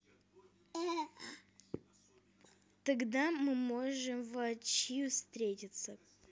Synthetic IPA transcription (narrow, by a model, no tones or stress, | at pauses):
t̪ɐɡd̪amɨmoʐɨmvɐt͡ɕiʊst̪ɾʲetʲɪt̪sə